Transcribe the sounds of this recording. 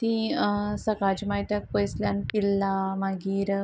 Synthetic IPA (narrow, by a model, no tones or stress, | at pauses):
t̪ĩsəkad͡ʑmaɦit̪jak̚pojsljanpilːamaɡiːɾ